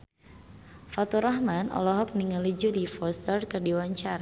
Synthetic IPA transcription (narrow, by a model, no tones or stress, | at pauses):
fat̪uɾahmanɔ̰lɔɦɔk̚niŋalid͡ʒudifɔst̪ərkərdiwaɲt͡ʃaɾa